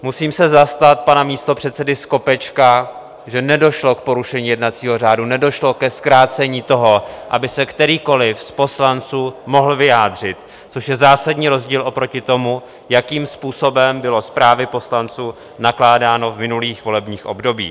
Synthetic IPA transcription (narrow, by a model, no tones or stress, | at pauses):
musiːmsɛzast̪at̪̚panamiːst̪o̞pr̝̥ɛt̪sɛdɪsko̞pɛt͡ʃka | ʒɛnɛdo̞ʃlokpo̞ɾuʃɛɲiːjɛdnat̪t͡siːɦo̞r̝aːdunɛdo̞ʃlo̞kɛskɾaːt͡sɛɲiːt̪o̞ɦo̞ʔa̰bɪsɛkt̪ɛɾiːko̞lɪfspo̞slant͡suːmo̞ɦl̩vɪjaːdr̝ɪt̪ | t͡soʃjɛzaːsadɲiːɾo̞zɟiːlo̞pɾo̞cɪt̪o̞mu | jakiːmspuːso̞bɛmbɪlo̞spɾaːvɪpo̞slant͡suː | naklaːdaːno̞vmɪnuliːxvo̞lɛbɲiːxʔo̞̰bdo̞bḭː